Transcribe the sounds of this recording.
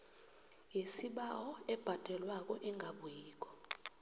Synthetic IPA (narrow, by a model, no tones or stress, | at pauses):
jesiɓawɔɛb̥ʱad̥ʱɛlwak̬ʼɔʔɛŋɡʱaɓujiːk̬ʼɔ̥